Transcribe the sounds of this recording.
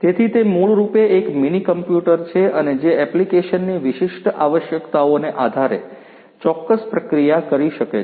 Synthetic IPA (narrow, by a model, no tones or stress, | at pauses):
t̪et̪ʰit̪emuɭɾupeːkminikəmpjuʈəɾt͡ʃʰeəned͡ʒeɛplikeʃənːiʋɪʃɪʃʈaʋəʃjəkt̪aoneʔad̪ʱaɾe | t͡ʃɔkːəspɾəkɾijakəɾiʃəke